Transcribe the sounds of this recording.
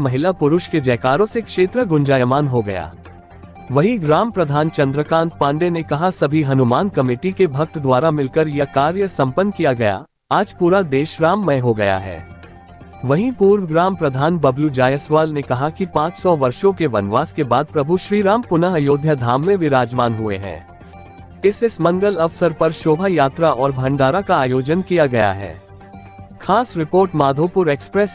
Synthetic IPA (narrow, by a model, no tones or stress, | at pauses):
mɐɦɪlapʊɾʊʃked͡ʒɐːkaːɾõsekʃeːt̪ɾəɡʊ̃nd͡ʒaːjəmaːnɦoɡɐ̰ja̰ː | ʋɐɦiɡɾaːmpɾɐd̪ʱaːnt͡ʃɐ̃nd̪ɾəkãːnʈ̚pãːɳɖenekɐɦasɐbʱiɦɐnʊmaːnkɐmɪːʈikebʱɐk̚t̪d̪ʋaːɾamɪlkəɾjɐkaːɾjəsɐ̃mpənkijaɡɐja̰ | aːd͡ʒpuːɾad̪eːʃɾaːmːɐ̃ɦoɡɐja̰ɦɛ̰ː | ʋɐɦĩpuːɾʋəɡɾaːmpɾɐd̪ʱaːnbɐblud͡ʒaːjəsʋaːlnekɐɦakipãːt͡ʃsɔʋɐɾʃõkeʋɐnʋaːskebaːd̪̚pɾɐbʱuʃɾiːɾaːmpʊnəɦjoːd̪ʱjəd̪ʱaːmːẽʋɪɾaːd͡ʒʋaːnɦʊḛɦɛ̰̃ː | ɪsɪsmɐ̃ŋɡəlɐʋsəɾpɐɾʃoːbʱajaːt̪ɾaʔɔːɾbʱɐ̃ɳɖaːɾakaaːjoːd͡ʒənkijaɡɐja̰ɦɛ̰ː | xʰaːsɾɪpoːɾʈmaːd̪ʱoːpʊɾeːkspɾɛs